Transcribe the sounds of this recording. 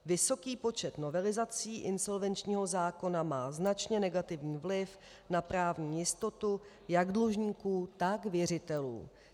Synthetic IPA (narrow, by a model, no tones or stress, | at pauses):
vɪso̞kiːpo̞t͡ʃɛt̪no̞vɛlɪzat͡siːʔɪnso̞lvɛnt͡ʃɲiːɦo̞zaːko̞namaːznat͡ʃɲɛnɛɡat̪ɪvɲiːvlɪf | napɾaːvɲiːjɪst̪o̞t̪u | jaɡdluʒɲiːkuːt̪akvjɛr̝ɪt̪ɛlṵː